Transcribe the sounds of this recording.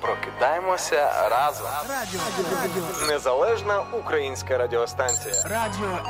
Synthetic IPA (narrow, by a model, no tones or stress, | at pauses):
pɾɔkʲɪd̪ɑjɛmɔsʲɐɾɑːzɔ | nɛzɐlˠɛʒnɐukɾɐjinʲsʲkɐɾɐdʲɪɔst̪ɑnʲsʲɪjɐ